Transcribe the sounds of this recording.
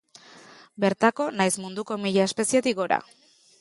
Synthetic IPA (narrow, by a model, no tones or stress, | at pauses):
be̞ɾt̪ako̞najsmund̪uko̞miʎae̞spe̞siet̪iɡo̞ɾa̰